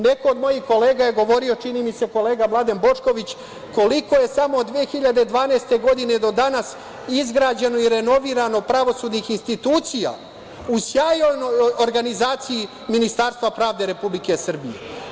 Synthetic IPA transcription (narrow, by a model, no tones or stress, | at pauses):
ne̞ko̞ːd̪mo̞jixko̞le̞ːɡaje̞ɡo̞ʋo̞ɾio̞t͡ʃiniːmise̞ko̞le̞ːɡamlˠad̪enbo̞t͡ʂko̞ʋit͡ɕ | ko̞liko̞je̞samoːd̪ʋiexiʎad̪ed̪ʋaːneːst̪e̞ɡo̞d̪ine̞d̪o̞d̪anas | izɡɾaːd͡ʑe̞noiɾe̞no̞ʋiːɾano̞pɾaʋo̞suːd̪nixinst̪it̪uːt̪sija̰ | usjaːjojnojjoɾɡanizaːt̪siji | minist̪aːɾst̪vʋapɾaːvd̪eɾe̞publike̞sr̩bijḛ